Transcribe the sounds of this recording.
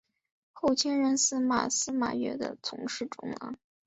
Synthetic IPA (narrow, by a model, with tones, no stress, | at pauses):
xo˥˩ʊt͡ɕʰjɛ˥nɻə˧˥nsɹ̩˥˩ma̰˨˩sɹ̩˥ma̰˨˩ɥɛ̰˧˥d̪ə̰˧t͡sʰʊ˧˥ŋʂɻ̩˥˩ʈ͡ʂʊ˧˥ŋla̰˧˥